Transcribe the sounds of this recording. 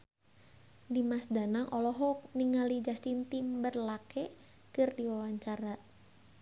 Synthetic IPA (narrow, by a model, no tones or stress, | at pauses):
dimasdanaŋʔɔlɔɦɔk̚niŋalid͡ʒast̪int̪imbərlakɛ | kɨrdiwawaɲt͡ʃaɾa